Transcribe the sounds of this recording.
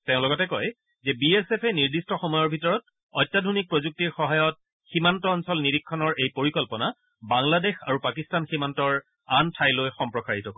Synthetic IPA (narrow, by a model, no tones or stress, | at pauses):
teʊ̃lɔɡɔtɛkɔj | zɛbiesepʰɛniɹdistɔxɔmɔjɔɹbʱitɔɹɔt̚ | ɔjtːadʱonik̚pɹozuk̚tiɹxɔɦajɔt̚ | ximantɔːnsɔlniɾikʰːɔnɔɹʔejpoɹikɔlpɔna | baŋladexa̰ɹupakistanximantɔɹ | antʰajlojxɔmpɹɔkaɹitɔkɔ